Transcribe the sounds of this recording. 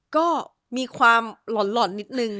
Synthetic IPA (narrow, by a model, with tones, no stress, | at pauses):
kɔː˥˩ | miː˧kʰwaː˧mlɔ˩˦nlɔ˨˩˦nːi˦˥t̪̚nɯ˧ŋ